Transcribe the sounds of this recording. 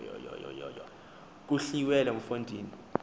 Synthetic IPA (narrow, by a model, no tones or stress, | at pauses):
jɔ̰jɔ̰jɔ̰jɔ̰jɔ | k̬uɬiwɛlɛm̩fondʱiːni